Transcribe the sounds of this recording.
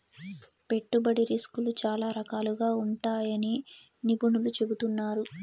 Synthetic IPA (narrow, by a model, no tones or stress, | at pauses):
pe̞ʈːubɐɽiɾiskulut͡ʃaːlaːɾɐkaːluɡaːuɳʈaːjɐni | nibunulut͡ʃe̞but̪unːaːɾu